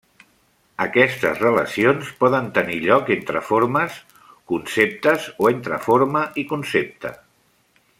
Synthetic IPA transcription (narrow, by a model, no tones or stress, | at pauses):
əkɛst̪ə̰zrələ̰sionspɔðənt̪əniʎɔkent̪ɾəfoɾməs | kunsep̚t̪əzoent̪ɾə̰foɾməʔikunsep̚t̪ə̰